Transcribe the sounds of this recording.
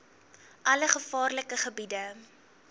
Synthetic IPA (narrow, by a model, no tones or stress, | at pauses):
ʔɐləχəfɑːrləkəχəbidə